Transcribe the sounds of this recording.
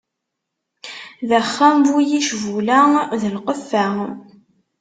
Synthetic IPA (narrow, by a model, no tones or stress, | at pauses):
ðæχːæmvujiʃvulæðəlqəfːæ